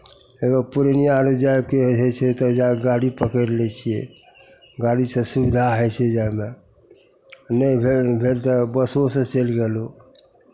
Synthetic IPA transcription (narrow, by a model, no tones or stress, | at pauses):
eɡəpuɾənijaɾod͡ʒajb̚keɦoɦɛt͡ʃʰɛt̪ɔd͡ʒaɡaɽipəkəɾlɛt͡ʃʰije | ɡaɽisə̃subid̪ʱaɦət͡ʃʰɛd͡ʒame | nəbʱebʱelt̪ɔbəsosə̃t͡ʃelɡelo